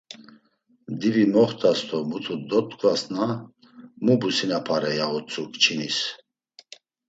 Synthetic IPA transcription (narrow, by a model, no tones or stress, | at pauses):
d̪ivimɔχt̪ʰʼast̪ʰɔmut̪ʰud̪ɔt̪ʼkʼvasna | mubusinapʰaɾɛjaɔt͡sʼukʼt͡ʃʰinis